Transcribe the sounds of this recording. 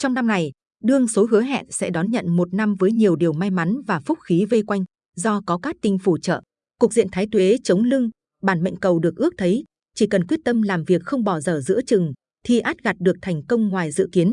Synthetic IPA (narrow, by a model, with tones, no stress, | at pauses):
t͡ɕɔ˧wŋ͡mna˧mna˨˩j | ɗɨ˧əŋso˨˦ɦɨ˨˦əɦɛ̰˧˨nsɛ̰˧˥ɗɔ˨˦nɲə̰˧˨nmo˨˩t̚na˧mvəː˨˦jɲi˨˩əwɗi˨˩əwma˧jma˨˦nvaː˨˩fʊ˦˥t̚xi˨˦ve˧kwa˧jŋ̟ | zɔ˧kɔ˨˦kaː˦˥k̚t̪ï˧ŋ̟fu˧˩t͡ɕə̰ː˧˨ | kʊ˨˩k̚zḭ˧˨ənt̪ʰaː˨˦jt̪we˨˦t͡ɕə˨˦wŋ͡mlɨ˧ŋ | ɓaː˧˩nmə̰˧˨ŋ̟kə˨˩wɗɨ˨˩ək̚ʔɨ˦˥ək̚t̪ʰə˨˦j | t͡ɕi˧˩kə˨˩nkwət̚t̪ə˧mlaː˨˩mvi˨˩ək̚xə˧wŋ͡mɓɔ˧˩zəː˧˩zɨ̰˧˥ət͡ɕɨ̰˨˩ŋ | t̪ʰi˨˩ʔaː˦˥t̚ɣa˨˩t̚ɗɨ˨˩ək̚t̪ʰɛ˨˩jŋ̟kə˧wŋ͡mŋwaː˨˩jzɨ̰˧˨ki˨˦ən